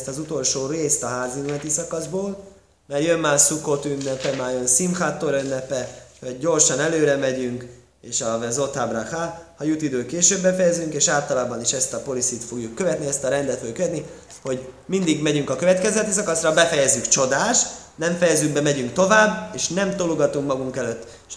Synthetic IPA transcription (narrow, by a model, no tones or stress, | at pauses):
st̪ɒzut̪o̞lʃoːreːst̪ɒɦaːzilnɛt̪isɒkɒzboːl | mɛrjønmaːrsuko̞t̪ynːɛpɛmaːjønsimxat̪ːoɾynːɛpɛvɒɟːo̞rʃɒnɛløːɾɛmɛɟyŋk | eːʃɒvɛzo̞t̪abraxalhɒjut̪id̪øːkeːʃøːbːɛfɛjɛzyŋkeːʃaːlt̪ɒlaːbɒniʃɛst̪ɒpo̞lisit̪fo̞ɡjukːøvɛt̪niɛst̪ɒɾɛnd̪ɛt̪løːkøvɛt̪ni | ho̞ɟ | mind̪iɡmɛɟyŋkɒkøvɛt̪kɛzɛt̪isɒkɒsrɒbɛfɛjɛzːykt͡ʃo̞d̪aːʃt̪nɛɱfɛjɛzyɡ̚bɛmɛɟyŋkt̪o̞vaːbːeːʃnɛmt̪oluɡɒt̪uŋkmɒɡuŋkɛløːt̪ː